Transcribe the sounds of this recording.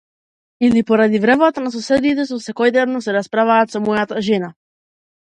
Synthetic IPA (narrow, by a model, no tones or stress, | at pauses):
ilipɔɾad̪ivɾɛvat̪anas̬ɔsɛd̪it̪ɛsɔfsɛkɔjd̪nɛvnɔsɛɾaspɾavaːt̪sɔmɔjat̪aʒɛna